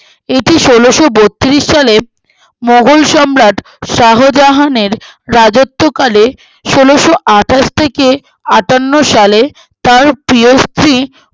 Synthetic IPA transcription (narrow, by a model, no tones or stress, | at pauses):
eʈiʃoloʃobot̪ːiɾiʃːale | moɡʱulʃɔmɾaʈ | ʃaɦod͡ʑaɦaneɾɾad͡ʑot̪ːokale | ʃoloʃoʔaʈʰaʃt̪ʰeke | aʈanːoʃale | t̪aɾpɾiost̪ɾi